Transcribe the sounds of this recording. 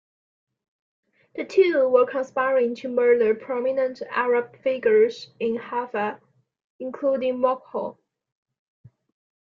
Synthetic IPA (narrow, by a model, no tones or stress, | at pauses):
ðətʰʉwə˞kʰãnspaɪɹɪ̃ŋtʰumə˞ləpʰɹ̥ɔminə̃ntæ̰ɹəb̥̚fɪɡjə˞zɪ̃nhavə | ɪ̃nkʰl̥udɪ̃ŋmɔkhɔ̰l